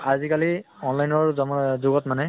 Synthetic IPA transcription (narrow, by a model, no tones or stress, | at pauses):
azikaliɔnlajnɔɹzɔmzʊɡɔtmanɛ